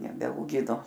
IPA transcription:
nʲɛbʲɛɐʊˈɡʲɪnoː

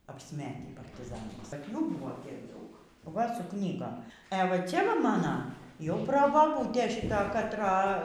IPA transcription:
ɐpʲsʲˈmʲæːtʲiː pɐrʲtʲɪˈzɑːnɐɪs tɐrp ˈjuː ˈbuːʋoː ˈtʲiɛk ˈdɐʊk ˈʋɐ sʊ ˈknʲiːɡoːm ɛ ˈʋɐ ˈt͡sʲɛ ˈʋɐ ˈmɑːnɐ jɛʊ proːbɐˈbuːtʲeː ʃʲɪˈtɐ kɐtˈrɐ

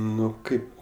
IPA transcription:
ˈnʊ ˈkɐɪp

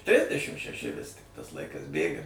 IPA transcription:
ˈtʲrʲɪzʲdʲɛʃʲɪm ʃʲɛˈʃʲɪ ʋʲɪs tʲɪk tɐs ˈlˠɐɪkɐs ˈbʲeːɡɐ

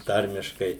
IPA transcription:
ˈtɐrʲmʲɪʃkɐɪ

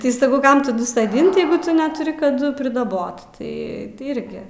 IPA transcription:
ˈtɐɪ sɐˈkɐʊ ˈkɐm tɐˈdʊ soːˈdʲɪnt ˈjɛɪɡʊ ˈtʊ nʲɛtʊˈrʲɪ kɐˈdʊ pʲrʲɪdɐˈboːt ˈtɐɪ tɐɪ ˈɪrʲɡʲɪ

